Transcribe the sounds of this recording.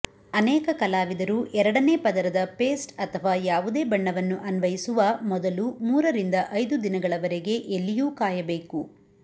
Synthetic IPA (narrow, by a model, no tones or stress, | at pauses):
ɐnɛːkɐkɐlaːʋid̪ɐɾuʔɛɾɐɽɐne̞ːpɐd̪ɐɾɐd̪ɐpe̞ːsʈɐt̪ʰɐʋaːjaːʋud̪e̞ːbɐɳːɐʋɐnːuʔɐnʋɐjisuʋɐmɔd̪ɐlumuːɾɐɾind̪ɐʔɐjd̪ud̪inɐɡɐɭɐʋɐɾeɡe̞ʔelːijuːkaːjɐbe̞ːku